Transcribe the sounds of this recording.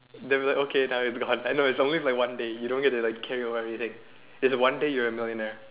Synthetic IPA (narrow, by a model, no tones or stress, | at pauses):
dewiaɪkokʰenaʊɪtsɡɔ̃naɪnoɪtsõnlilaɪkwãndejudõnɡɛtːulaɪkʰːɛɹioɛvɹiθɪ̃ŋ | ɪtswãndejəɹəmɪlˠjənɛɹ